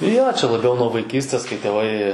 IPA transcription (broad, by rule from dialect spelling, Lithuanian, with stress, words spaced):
joː t͡ʃʲɛ lˠɐˈbʲɛʊ nuɔ ʋɐɪˈkʲiːsʲtʲeːs kɐɪ tʲeːˈʋɐɪ